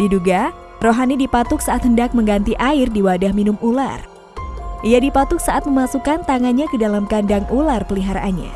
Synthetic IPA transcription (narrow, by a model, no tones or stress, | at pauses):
diduɡa | roɦanidipat̪ʊk̚saʔat̪̚həndak̚məŋɡant̪iʔaɪrdiwadahminʊmula̰r | ʔijadipat̪ʊk̚saʔat̪̚məmasukant̪aŋanɲakədalamkandaŋularpəliɦaɾaʔanɲa̰